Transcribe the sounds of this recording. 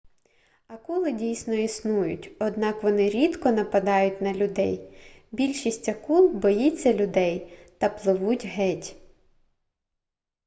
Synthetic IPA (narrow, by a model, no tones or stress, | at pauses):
ɐkulˠɪdʲijsʲnɔisnujʊtʲɔd̪nɑkʋɔnɪɾʲid̪kɔnɐpɐd̪ɑjʊtʲnɐlʲʊd̪ɛj | bʲilʲʃisʲtʲɐkulˠbɔjit͡sʲːɐlʲʊd̪ɛjt̪ɐplˠɪʋutʲɦɛtʲ